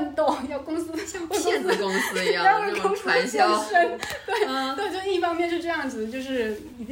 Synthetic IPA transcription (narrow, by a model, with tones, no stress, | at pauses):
nt̪o˥˩jɑ˥˩ʊkʊ˥ŋsɹ̩˥d̪ə˨ɕjɑ˥ʊk̪ɛ˥kʊ˥ŋsɹ̩˥˧jjɑ˥˧we˥˩kʊ˥ŋʈ͡ʂʰu˥a˧˥ɕɑ˥ŋʂə˥nt̪we˥˩ɪ˩t̪a˥˧˩t͡ɕo˥˧i˥˩fɑ˥ŋmjɛ˥˧nʂ̩˥˧ʈ͡ʂɤ˥˧jɑ˥˩ŋd͡zɹ̩˩t͡ɕjo˥˧ʊʂɻ̩˥˩ | i˨˩t͡ɕ